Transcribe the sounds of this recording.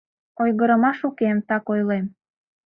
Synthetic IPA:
ojɣəɾə̆mɑʃukemt̪ɑkojlem

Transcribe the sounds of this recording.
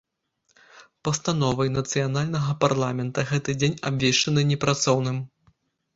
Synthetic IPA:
pɐst̪an̪ɔvɐjnɐt̪sɨjanalʲnɐɣɐparlˠamʲɛnt̪ɐɣɛt̪ɨd͡zʲenʲabʲvʲeʂt͡ʂɐnɨnʲɛpɾat̪sɔwnɨm

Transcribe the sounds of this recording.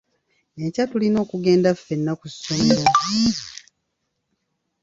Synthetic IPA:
ecatulino̞ːkuɡe̞ːndafːe̞nːakusaiɾai

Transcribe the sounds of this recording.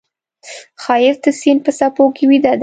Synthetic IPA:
xɑjɪɾd̪əsinpəsapokewid̪ɑd̪ɛ

